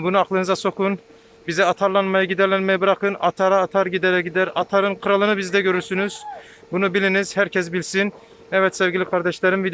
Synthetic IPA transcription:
bunuɑqlˠɯnɯzaso̞kʰun | bizɛɑt̪ʰaɾlˠanmajɯɟid̪ɛɾlʲɛɾmɛjɛbɯɾaqɯnɑt̪ʰaɾaːt̪ʰaɾɟid̪ɛɾɛɟid̪æɾɑt̪ʰaɾɯnqʰɯɾalˠɯnɯbizd̪ɛɟø̞ɾyɾsynyz̥ | bunubilʲiniz̥hæɾcʰɛs̬bilʲsin | ɛvɛt̪sɛvɟʲilʲikʰɑɾd̪ɛʃlʲɛɾimvid̪

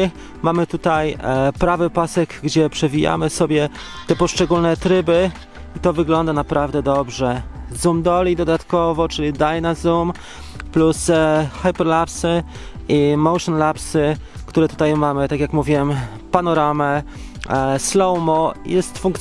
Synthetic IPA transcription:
mamɘt̪ut̪ajpɾavɘpasɛɡɡd͡ʑɛpʂɛvʲija̰mɘsɔbʲjɛ | t̪ɛpɔʂt͡ʂɛɡulnɛt̪ɾɘbɘ | it̪ɔvɘɡlɔnd̪anapɾavd̪ɛd̪ɔbʐɛzumd̪ɔlʲid̪ɔd̪at̪kɔvɔt͡ʂɘlʲid̪ajnazum | plusxajpɛɾlapsɘimɔwʂɔnlapsɘkt̪uɾɛt̪u̥t̪ajmamɘt̪akʲjakmuvʲiwɛm | panɔɾamɛ | slɔwmɔjɛst̪fuŋkt̪

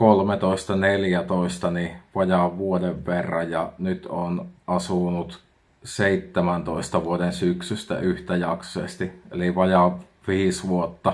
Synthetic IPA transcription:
kolmet̪oˑest̪ɑneljæt̪oˑist̪ɑniʋɑjɑʋʋuodeʋʋerːɑjjɑnyt̪onʔɑsunut̪ | seit̪ːemænt̪oˑest̪ɑʋuodensyksyst̪æ̰ʔyht̪æjɑksosḛˑst̪iḛliʋɑjɑʋ | ʋiːsʋuot̪ːɑ

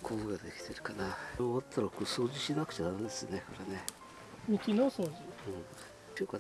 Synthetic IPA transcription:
kʰoːɡad̪e̞kʲi̥t̪e̞ɾɯ̟̥kanaoβat̪ʰːaɾokoːsoːʑiɕinakɯ̟̥t͡ɕenaɯ̟nd̪esɨnekoɾene̞ | mʲikʲinosoːʑiɯ̃ɴ | k̪ekːa

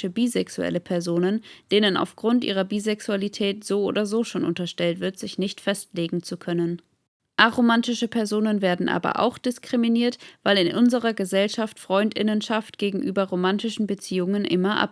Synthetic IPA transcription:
əbiːzɛksuɛ̰ləpʰɛɐzoːnənd̥eːnəna̰ʊfɡ̥ʁʊntʔḭːʁ̞ɐbiːzɛksualitʰɛːtz̥oːʔo̰ːdɐzoːʃoːnʔʊ̰ntɐʃtɛltv̥ɪɐtz̥ɪçnɪçtfɛstleːɡŋ̩t͡sukʰœnən | ʔaʁomantɪʃəpʰɛɐzoːnənveːɐdn̩ʔa̰ːbɐ̰ʔa̰ʊxd̥ɪskʁ̥iminiːɐtv̥aɪlɪnʔʊnzəʁɐɡəzɛlʃaftfʁ̥ɔʏndɪ̰nənʃaftɡ̥eːɡŋ̩ʔyːbɐʁomantɪʃn̩bət͡siːʊŋənʔɪmɐʔa̰p

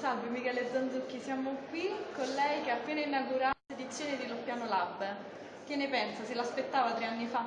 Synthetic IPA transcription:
salvomikɛːled̪zːand̪zukːisjaːmokwikonlɛjkeapːeːnainaɡuɾased̪it̪sːjoːned̪ilopjaːnolab | kenːepɛnsaselaspet̪ːaːvat̪ɾeanːifa

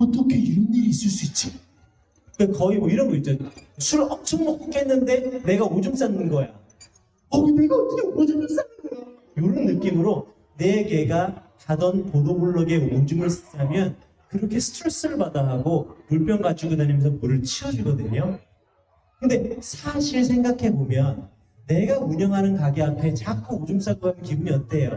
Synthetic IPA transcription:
potʰʌkʰejuniiːs͈ɯɭs͈uit̚t͡ɕ͈o | kakʌimwʌiɾʌnɡʌit͡ɕ͈ʌsʰuɾɯɭʌmt͡ɕʰʌŋmʌk͈uk͈ʰɦenːɯnde̞ne̞ɡaod͡ʑums͈anːɯnɡʌja | ʌneɡakʰiɡeod͡ʑumms͈anɯnɡ | joɭːɯnːɯk͈imɯɾo | ne̞ke̞ɡakadʌnpodobuɭːʌɡe̞od͡ʑumɯɭsʰad͡ʑamjʌn | kɯɾʌkʰe̞sʰɯ̥tʰuɭs͈ɯɾɯɭbadaɦaɡomuɭpʰjʌnɡad͡ʑuɡɯnaɲimjʌnsʰʌmuɾɯɭt͡ɕʰiʌd͡ʑiɡʌdɯɲo | kɯnde̞sʰaɕʰiɭs̬ʰe̞ŋɡakʰe̞bomjʌnː | e̞ɡauɲʌŋɦanɯnkaɡiampʰe̞t͡ɕak͈ʰuod͡ʑums͈anɡoanɯkibumiʌt̚t͈ejo

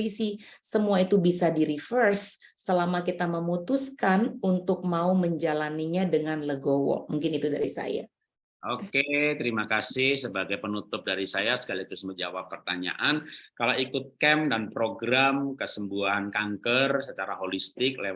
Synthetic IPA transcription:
isisəmuait̪ubisadiɾifərsː | əlamakit̪aməmut̪uskanunt̪ʊk̚mauməɲd͡ʒalaniɲadəŋanləɡowo̰muŋkɪnit̪udaɾisa̰ja̰ | ʔoket̪əɾimakasɪhsəbaɡajpənut̪ʊp̚daɾisajasə̥kalit̪ʊsməd͡ʒa̰wapːərt̪aɲa̰ʔankalaikʊt̪̚kɛmdanpɾoɡɾamkəsəmbuankaŋkərsət͡ʃaɾaɦolist̪ɪk̚le

